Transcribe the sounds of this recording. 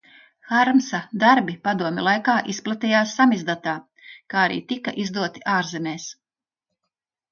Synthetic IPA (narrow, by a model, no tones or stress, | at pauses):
xaɾmsad̪aɾbipad̪uɔmʲɛlˠajkaːʔisplˠat̪ijaːsːamizd̪at̪aː | kaːaɾḭːt̪ika̰ʔizd̪uɔt̪iʔaːɾzemʲeːs